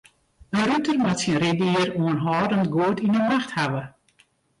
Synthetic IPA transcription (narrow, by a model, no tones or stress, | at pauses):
ənrutərmatsiənrɪdiːəroənɦɔːdəntɡuətinəmaxthaʋə